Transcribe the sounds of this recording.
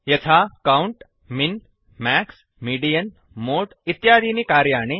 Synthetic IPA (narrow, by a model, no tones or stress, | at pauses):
jɐt̪ʰakauɳʈ | mɪn | mɛːks | miːɖijən | moːʈit̪ːjaːd̪ʱinikaːɾjaːɳ̃e